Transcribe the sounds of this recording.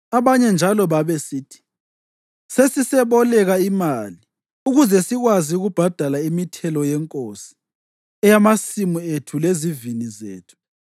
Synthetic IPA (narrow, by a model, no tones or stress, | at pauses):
aβaɲɛnd͡ʒʱalɔβaβɛsitʰi̥ | sesisɛβɔlɛɣaimali | uɣuzɛsiɣwaziuɣub̥ʱad̥ʱalaimitʰɛlɔjɛŋkʼosi̥ | ɛjamasimuetʰulezivinizḛːtʰu̥